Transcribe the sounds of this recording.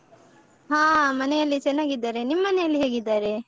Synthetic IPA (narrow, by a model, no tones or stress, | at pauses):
ɦãːmɐnɛjɐlːit͡ʃɐnːaːɡid̪ːaːɾe̞nimːɐnɛjɐlːiɦe̞ːɡid̪ːaːɾe̞